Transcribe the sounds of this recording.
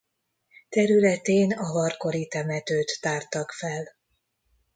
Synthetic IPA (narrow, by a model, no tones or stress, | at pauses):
t̪ɛɾylɛt̪eːnɒvɒrko̞ɾit̪ɛmɛt̪øːt̪ːaːrt̪ɒkfɛl